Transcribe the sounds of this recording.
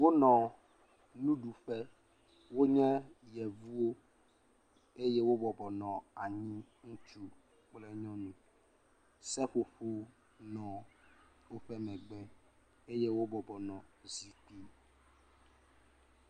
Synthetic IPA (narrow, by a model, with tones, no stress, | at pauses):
wo˦nɔ̃˨ | nũ˦ɖu˨ɸɛ˦ | wo˦ɲɛ̃˦jɛ˨vu˦o˦ | e˦je˦wo˦bɔ˨bɔ˨nɔ̃˨a˨ɲĩ˦ | ŋũ˦t͡ʃu˦ | k͡ple˦ɲɔ̃˦nũ˨ | sɛ˦ɸo˨ɸu˦ | nɔ̃˨ | o˦ɸɛ˦mɛ̃˨ɡ͡bɛ˦ | e˦je˦wo˦bɔ˨bɔ˨nɔ̃˨zi˦ki˦